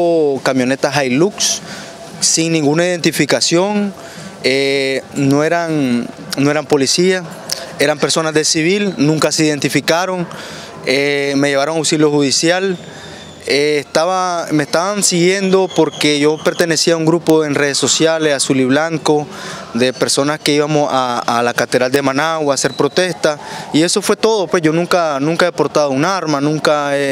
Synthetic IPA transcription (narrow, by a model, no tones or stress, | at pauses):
okamjo̞ne̞t̪aɦajluks | siŋnĩŋɡunaiðe̞nt̪ifikasjo̞ŋ | enoeɾaŋ | noe̞ɾampo̞lisia | e̞ɾampe̞ɾso̞nazðe̞siβilnũŋkaseiðe̞nt̪ifikaɾo̞ŋ | eme̞ʝe̞β̞aɾo̞ŋawsiljo̞huðisjal | eːst̪aβamest̪aβansiɣje̞nd̪o̞poɾke̞ʝo̞pe̞ɾt̪e̞ne̞siauŋɡɾupoe̞nre̞ðeso̞sjale̞sasuliβlaŋko̞ | ðe̞pe̞ɾso̞naske̞iβamo̞saːlakat̪eðɾald̪e̞manawase̞ɾpɾo̞t̪e̞st̪aie̞so̞fwe̞t̪o̞ðo̞pwe̞sʝo̞nũŋkanũŋkaepo̞ɾt̪aðounaɾmanũŋkae